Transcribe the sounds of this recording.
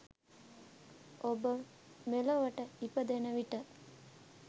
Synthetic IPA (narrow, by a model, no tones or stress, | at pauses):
obə | meləʋəʈəipəd̪enəʋiʈə